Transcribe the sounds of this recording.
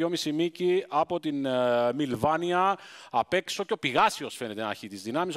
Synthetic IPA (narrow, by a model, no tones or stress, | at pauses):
o̞misimiciɐpo̞t̪inmilvɐniɐɐpe̞ksi̥so̞ceo̞piɣɐsio̞sfe̞ne̞t̪enɐɾçit̪izðinɐmis